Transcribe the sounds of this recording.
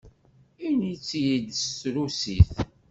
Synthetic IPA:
init͡sːjid̪sɾusiθ

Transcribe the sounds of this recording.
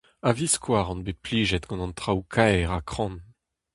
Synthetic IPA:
aviskʰwaːʁɑ̃nbepliːʒɛt̪ɡɑ̃nɑ̃nt̪χawkʰaɛʁakχɑ̃n

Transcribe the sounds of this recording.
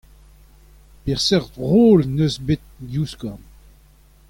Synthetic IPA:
pɛʁsɛʁtʁoːlnøzbet̪̚djuskɔ

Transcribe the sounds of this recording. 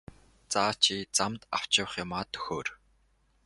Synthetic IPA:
t͡saːt͡ɕʰiːt͡samt̪aw̥t͡ɕɪ̆w̆χjʊmaːt̪ʰːɵ̥xoːr

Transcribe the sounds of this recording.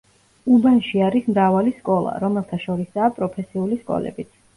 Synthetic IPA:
ubanʃiaɾismɾavaliskʼɔlˠa̰ɾɔmɛlˠt̪ʰaʃɔɾisaːpʼɾɔpʰɛsiuliskʼɔ̰lɛ̰bit̪sʰ

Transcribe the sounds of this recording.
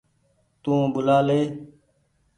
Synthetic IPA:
t̪ũːbʊlaːleː

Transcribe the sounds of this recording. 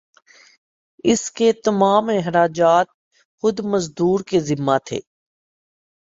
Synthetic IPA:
ɪsket̪ɐmaːmɪɦɾaːd͡ʒaːt̪̚ | xʊd̪mɐzd̪uːɾkezɪmːat̪ʰḛː

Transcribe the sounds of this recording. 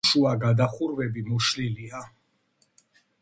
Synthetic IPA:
ʃuaɡad̪aχuɾvɛbimuʃlilia

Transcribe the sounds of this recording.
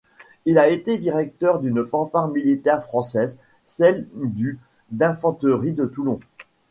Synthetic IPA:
ilaet̪ed̪iʁɛk̚t̪œʁd̪ynfɑ̃faʁmilit̪ɛʁfχɑ̃sɛz | sɛld̪y | d̪ɛ̃fɑ̃t̪əʁid̪ət̪ulɔ̃

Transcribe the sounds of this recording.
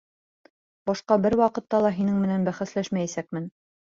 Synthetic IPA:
bɑʃqɑbɘɾwɑqɤ̆t̪ːɑlˠɑɦinɘŋmɘ̆nænbæχæslæʃmæjæsæk̚mɘn

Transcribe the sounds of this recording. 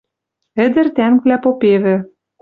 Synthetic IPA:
ɘ̆d̪ɘ̆rt̪æŋkβlæpopeβɘ̆

